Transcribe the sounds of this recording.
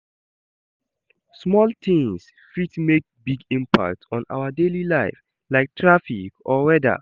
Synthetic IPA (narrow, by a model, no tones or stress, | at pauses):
smɔltĩŋs | fitmek̚biɡĩmpa̰k̚tʰɔ̃na̰ʊədelilaɪf | laɪk̚tʰɹafikɔwɛdə̰